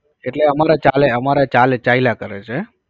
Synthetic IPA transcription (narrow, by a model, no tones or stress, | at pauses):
eʈleəmaɾat͡ʃaleəmaɾat͡ʃalet͡ʃailakəɾet͡ʃʰe